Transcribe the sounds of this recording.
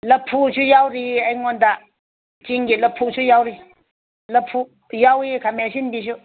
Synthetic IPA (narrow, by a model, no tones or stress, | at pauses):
lɐpʰːusujawɾiajŋɔnda | t͡ʃiŋɡilɐpʰːusujawɾi | lɐpʰːu | jawikʰamasinbis̬u